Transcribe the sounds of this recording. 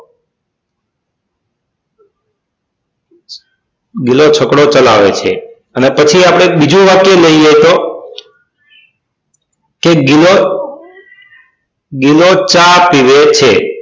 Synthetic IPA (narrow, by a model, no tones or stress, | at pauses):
ɡilot͡ʃʰəkɽot͡ʃəlaʋet͡ʃʰḛ | ənepət͡ʃʰiapɽ̃ebid͡ʒũʋakjeləiet̪o | keɡilo | ɡilot͡ʃapiʋet͡ʃʰe